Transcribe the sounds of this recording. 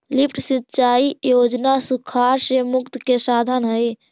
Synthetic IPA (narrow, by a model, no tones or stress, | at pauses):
lipʰʈʰsitːt͡ʃaijod͡ʒnasukʰaɾsemukt̪kesad̪ʱənɦəj